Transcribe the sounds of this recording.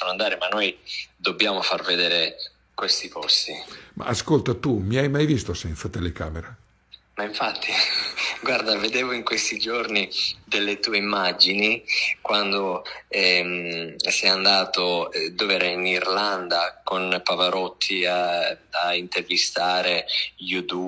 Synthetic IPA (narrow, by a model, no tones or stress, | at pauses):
onoand̪aːɾimanːojd̪obːjaːmofarved̪eːɾe | kwest̪ipɔst̪ima̰ːskolt̪at̪umiajmajvist̪osɛnt̪sat̪elekaːmeɾa | maiɱfat̪ʰːiɡward̪aved̪eːvoiŋkwest̪id͡ʒornid̪elːet̪uːeimːad͡ʒinikwand̪oɛmsɛjand̪aːt̪oɛd̪ovɛːɾeinirland̪akonpavaɾɔt̪ʰːiaaint̪ervist̪aːɾejut̪u